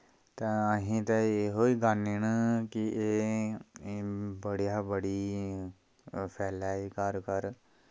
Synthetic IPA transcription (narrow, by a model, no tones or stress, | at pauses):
t̪ãːəɦĩːt̪ɛeɦoːiːɡanɪɳkɪeː | bəɽijaːbəɽiː | pʰɛːlaːikəɾkəɾ